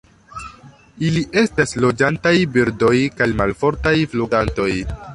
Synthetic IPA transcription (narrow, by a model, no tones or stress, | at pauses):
iliʔe̞staslo̞d͡ʒantajbiɾdo̞jkajmalfo̞ɾtajfluɡanto̞j